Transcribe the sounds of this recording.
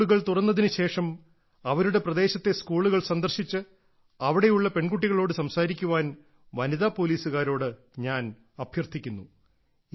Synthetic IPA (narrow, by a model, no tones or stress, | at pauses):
uɣɐɭt̪urɐnːɐðinɨɕe̞ːʂɐm | ɐʋɐɾuɽe̞prɐd̪e̞ːɕɐt̪ːe̞skuːɭuɣɐɭsɐnd̪ɐrɕit͡ɕːɨ | ɐʋiɽe̞juɭːɐpe̞ɳɡuʈːiɣɐɭo̞ːɽɨsɐmsaːɾikʲːuʋaːn | ʋɐniðaːpo̞ːliːsuɣaːɾo̞ːɽɨ | ɲaːn | ɐbʱjɐrt̪ʰikʲːunːu